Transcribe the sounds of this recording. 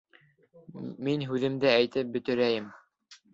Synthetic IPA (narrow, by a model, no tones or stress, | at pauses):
minɦʉðɘ̆md̪ɘæjt̪ɘp̚bɵ̆t̪ɵ̆ɾæjɘm